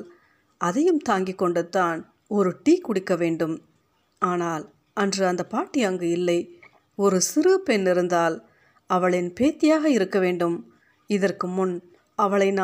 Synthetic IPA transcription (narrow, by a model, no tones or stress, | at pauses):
l | ɐðɐjɯmt̪aːŋɡɪkːɔɳɖɯt̪ːaːn | ɔɾɯʈiːkːʊɽɪkːɐʋeːɳɖɯm | aːnaːl | ɐndrɯɐnd̪ɐpːaːʈːɪɐŋɡɯɪlːɐɪ | ɔɾɯsɪɾɯpɛnːɪɾɯnd̪aːl | ɐʋɐɭɪnpeːt̪ːɪjaːɣɐɪɾɯkːɐʋeːɳɖɯm | ɪðɐrkɯmʊn | ɐʋɐɭɐɪn